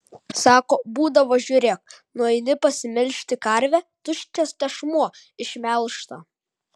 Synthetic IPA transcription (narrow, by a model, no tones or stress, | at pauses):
sɑːkoːbuːd̪ɐʋoːʒʲuːɾʲeːk̚ | nuɔɪnʲɪpɐsʲɪmʲɛlʲʃʲt̪ʲɪkɐɾʲʋʲɛt̪ʊʃʲt͡ʃ̪ʲɛst̪ʲɛʃmuɔ | ɪʃʲmʲɛlˠʃt̪ɐ